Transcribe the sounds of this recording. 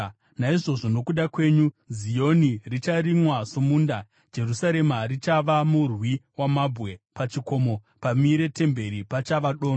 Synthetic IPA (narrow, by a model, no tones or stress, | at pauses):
naiʐo̞ʐo̞no̞kuɗakwe̞ːɲu | zijo̞nirit͡ʃaɾimwasomunda | d͡ʒe̞rusaɾe̞marit͡ʃaʋamurwiwamabʱwe̞pat͡ʃiko̞ːmo̞ | pamiɾe̞te̞mbe̞ɾipat͡ʃaʋaɗoːno